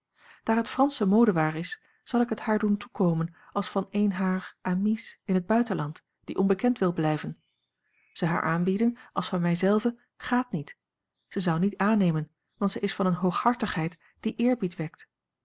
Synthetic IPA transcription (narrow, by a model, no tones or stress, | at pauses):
d̥aːɹɦətfrɑnsəmowdəʋaːɹɪs | z̥ɑlˠɪkɦəthaːɹduntukowmənɑlˠsfɑnejnɦaːɹʔaːmisɪnɦəd̚bœɥtənlɑnt | d̥iʔɔnbəkɛntʋɪlˠblɛjvən | z̥əwɦa̰ːɹʔaːmbidənʔɑlˠsfɑnmɛjzɛlˠvə | χaːtnit | z̥əzʌwnitaːnejmən | ʋɑntsəjɪsfɑnənɦowχhɑɹtəχɦɛjt | d̥iʔɪːɹbitʋɛk̚t